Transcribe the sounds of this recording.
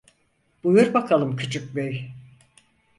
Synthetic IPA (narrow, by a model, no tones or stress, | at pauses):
b̥ujuɾbakʰalˠɯmkcʰyt͡ʃʰyc̚bej